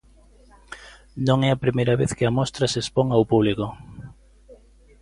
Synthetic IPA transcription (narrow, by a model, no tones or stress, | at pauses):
nõŋɛɐpɾimejɾɐβeθkɪɐmɔst̪ɾɐsespoŋawpuβliko